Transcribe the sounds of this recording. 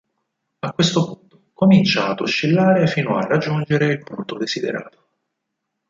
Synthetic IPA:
akːwest̪opunt̪okomint͡ʃaːd̪uʃːilːaːɾefiːnoa̰rːad͡ʒːund͡ʒeɾeilpunt̪od̪ezid̪ḛɾa̰ːt̪o̥

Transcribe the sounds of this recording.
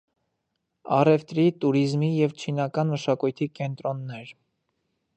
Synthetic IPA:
ɑ̰rɛft̪ɾit̪uɾizmijɛvt͡ʃʰinɑkɑnməʃɑkujt̪ʰikɛnt̪ɾɔnːɛɾ

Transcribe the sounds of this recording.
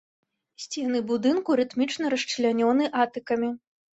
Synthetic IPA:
sʲt͡sʲɛnɨbud̪ɨnkuɾɨt̪mʲit͡ʂnɐɾɐʂt͡ʂlʲanʲɔnɨʔat̪ɨkɐmʲi

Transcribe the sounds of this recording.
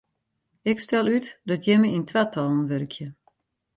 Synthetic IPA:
ɪkstɛlˠytdɔtjɛməintʋatʰɔlˠnʋøɾkʰjə

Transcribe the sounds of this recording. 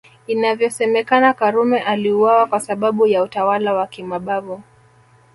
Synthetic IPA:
inavjɔsɛmɛkanakaɾumɛʔaliuwawakwasaɓaɓujautawalawakimaɓavu

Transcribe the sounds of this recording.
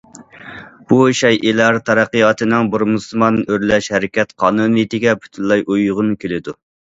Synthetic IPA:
b̥uʃɑjʔelˠɑɾt̪ʰɑɾɑqːəjɑt̪ʰɨnɪŋbɨɾmusˠmɑnːɨʔøɾlɛʃhɛɾɪkʲɛt̪qʰɑːnunɨjt̪ɪɡʲɛpʰy̥t̪ʰynlˠɑjʔujʁʊnkʲʰelɪd̪u

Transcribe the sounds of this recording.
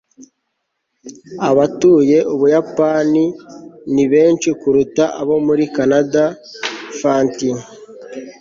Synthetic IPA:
aβatuːje̞ʔuβujapaniniβeːnt͡ʃikuɾutaʔaβo̞muɾikanada | faːnti

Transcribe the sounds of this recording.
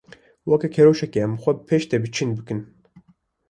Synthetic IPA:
wɐkɛkʰɛɾoʃɛkeɛmxʷɛpʰeːʃt̪ebɨt͡ʃʰɨnbɨkɨn

